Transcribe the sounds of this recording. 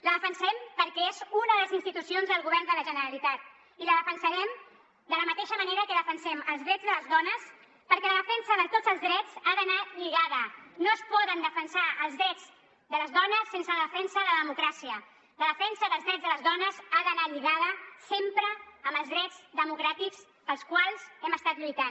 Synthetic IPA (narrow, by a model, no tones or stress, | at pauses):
ləðəfənsɛmpəɾkɛezunðələzinst̪it̪usionzðəlˠɣuβɛrnd̪ələʒənəɾəlit̪at̪̚ | iləðəfənsəɾɛm | d̪ələmət̪eʃəməneɾəkəðəfənsɛməlˠzðɾɛd͡zðələzðɔnəs | pəɾkɛləðəfɛnsəðət̪o̥d͡zəlˠzðɾɛd͡zaðənaʎiɣaðənoəspɔðənd̪əfənsaəlˠzðɾɛd͡z | d̪ələzðɔnəsːensələðəfɛnsəðəðəmukɾasiə | ləðəfɛnsəðəlˠzðɾɛd͡zzðələzðɔnəzaðənaʎiɣaðəsempɾəːmbəlˠzðɾɛd͡zðəmukɾat̪ikz | pəlˠskwalˠzɛməst̪at̪ʎujt̪an